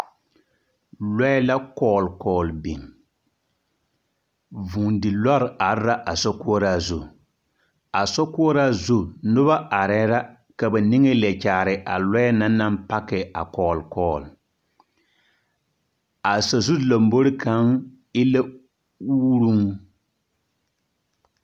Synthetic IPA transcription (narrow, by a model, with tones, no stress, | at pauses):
lɔ˦ɛ˦la˦kɔː˨lkɔː˨lbḭ˨ŋ | vu˨ŋdɪ˨la˦ɾa˨ɾɾa˦ʔa˨sɔ˦ku˦ɔ˦ɾa˨zu˨ | a˨sɔ˦ku˦ɔ˦ɾa˦zu˦nʊ˦βa˦ʔa˨ɾɛː˦ɾa˦ | ka˨ba˨nɪ˦ŋɛ˦lɛ˨t͡ʃaː˨ɾɪ˨ʔa˨lɔ˦ɛ˦na˦na˦mpa˦kɛ˨a̰˨kɔː˨lkɔː˨l | a˨sa˨zu˦la˨mbo˦ɾɪ˦kʰa˨˦ŋ | ɪ˦la˦ | uː˦ɾu˦ŋ